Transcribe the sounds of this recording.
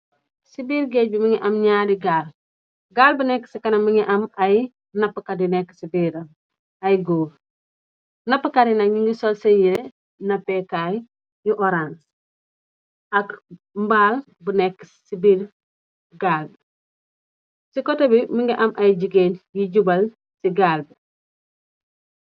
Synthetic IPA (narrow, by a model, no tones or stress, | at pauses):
sibiɾɡebimiŋiʔɐmɲaːdiɡaːl | ɡaːlbunɛkːsikɐnɐmiŋiʔɐmaj | nɐpːakadinɛkːsibiɾɐm | ajɡoːl | nɐpakaɾinɐɲiŋɡisolsejiɾe | nɐpekaj | jiʔoɾans | ɐk | mbaːl | bunekːsibiɾ | ɡaːlb | sikotebimiŋɡiʔɐmʔɐjɟiɡeːnjiɟubɐl | siɡalbi